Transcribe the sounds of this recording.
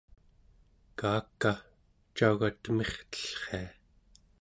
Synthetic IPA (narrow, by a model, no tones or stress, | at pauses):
kaːkːa | t͡ʃaɣat̪əme̞χt̪ə̥ɬχea